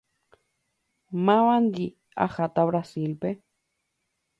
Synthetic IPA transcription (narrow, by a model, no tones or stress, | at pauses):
mawand̪i | a̰xat̪aβɾasilpe